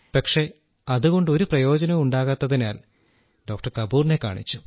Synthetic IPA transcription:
pɐkʂe̞ | ɐðuɣo̞ɳɖɨo̞ɾuprɐjo̞ːd͡ʑɐnɐmuɳɖaːɣat̪ːɐðinaːl | ɖo̞ːk̚ʈɐrkɐbuːrne̞ka̰ːɳit͡ɕːu

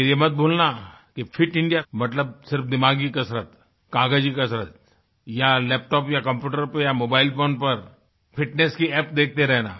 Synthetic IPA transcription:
jemɐt̪̚bʱoːlnakifʰɪʈɪ̃ɳɖijamɐt̪ləb̚sɪɾpd̪ɪmaːɡikɐsɾət̪ | kãːɡəd͡ʒikɐsɾət̪̚ | jalɛːp̚ʈɔːpjakɐ̃mpjuːʈəɾpjamoːbaːɪlpoːnpɐɾ | pʰɪʈneːskiɛːp̚d̪eːk̚ʰt̪eɾɛɦnaː

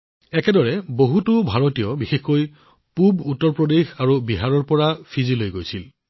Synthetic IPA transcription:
ɛkɛdɔɹɛboɦutʊbʱaɹotijɔbixexkoj | pubutːɔɹpɹɔdexaɹubiɦaɹɔɹpɔɹafʰizilojɡojsil

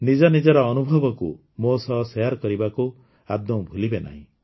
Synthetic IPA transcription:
nid͡ʒɔnid͡ʒɔɾɔːnubʱɔbɔkṵ | mosɔɦsɔjaɾkɔɾibaku | ad̪jɔbʱulibena̰ɦḭ̃

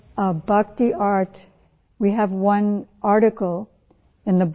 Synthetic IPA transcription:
bʌk̚tiʔɑɹt | wiɨvwʌ̃nɑɹɾɨkl̩ˠ | ɨ̃nðɨb

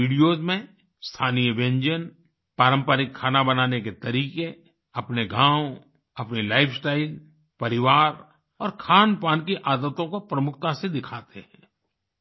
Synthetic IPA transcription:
iːɖijozmẽ | st̪ʰaːnijəbẽɲd͡ʒən | paːɾə̃mpəɾɪkʰːaːnabɐnaːneket̪ɐɾiːke | ɐpneɡʱãːw | ɐpnilaːɪfʰsʈaːɪl | pɐɾɪʋaːɾ | ɔːɾkʰaːnpaːnkiʔaːd̪ət̪õkopɾəmʊkʰt̪ased̪ɪkʰaːt̪ʰeɦɛ̰̃ː

